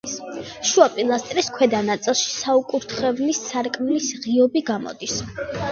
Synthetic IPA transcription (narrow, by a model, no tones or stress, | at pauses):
ʃuapʼilˠast̪ʼɾɛskʰwɛd̪anat̪sʼɛlˠʃi̥saukʼuɾt̪ʰχɛvnissaɾkʼmlisʁiɔbiɡamɔ̰d̪is